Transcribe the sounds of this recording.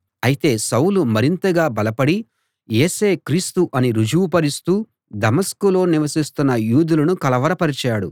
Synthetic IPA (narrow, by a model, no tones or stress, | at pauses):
ɐjit̪e̞ːsɐwlumɐɾint̪ɐɡaːbɐlɐpɐɽi | jeːse̞ːkɾiːst̪uʔɐniɾud͡ʒuːpɐɾist̪uː | d̪ɐmɐskulo̞ːniʋɐsist̪unːɐjuːd̪ulɐnukɐlɐʋɐɾɐpɐɾit͡ʃaːɽṵ